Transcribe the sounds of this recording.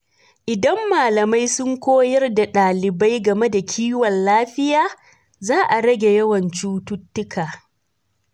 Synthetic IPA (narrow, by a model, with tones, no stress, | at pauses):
ʔɪ˨dɐ˦mːaː˨lɐ˨ma˦jsʊ˦ŋkʷoː˦jɐ˦rda˨ɗaː˨lɪ˨ba˦jɡɐ˨me˦da˨kʲʰiː˦wɐ˨nlaː˦ɸɪ˦jaː˦ | zaː˦ʔa˨ɽɐ˦ɡʲe˨jɐ˦wɐ˨nt͡ʃuː˦tʊ˦tːʊ˦kʰaː˨